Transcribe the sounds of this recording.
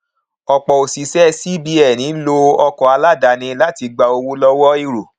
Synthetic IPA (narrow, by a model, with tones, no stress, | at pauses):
ɔ˧k͡pɔ˨o˨si˨˦sɛ˦si˦bi˦ɛ˨nĩ˨˦lo˧ɔ˧kɔ˨a˧la˦da˨nĩ˧la˦ti˧ɡ͡ba˧o˧wu˦lɔ˦wɔ˦i˧ɾo˨